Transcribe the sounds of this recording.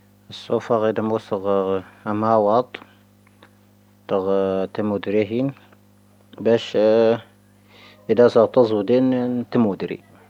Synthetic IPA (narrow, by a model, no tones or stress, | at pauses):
əsːufɑɣid̪æmusəɣmawɑt̪ˤ | t̪əɣt̪əmud̪ɾiɦin | bæʃ | ʔəd̪æsəɣt̪ɑzˤwd̪int̪əmud̪ɾḭ